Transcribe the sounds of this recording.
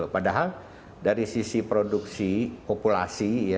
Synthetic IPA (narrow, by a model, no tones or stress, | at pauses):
opadaɦal | daɾisisipɾoduksipopula̰sija